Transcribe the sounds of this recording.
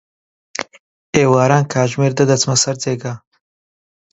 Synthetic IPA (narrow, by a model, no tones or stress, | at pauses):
eːwaːɾaːnkʰaːʒmeːɾd̪ɐd̪ɐt͡smɐsɐɾt͡seːɡɐ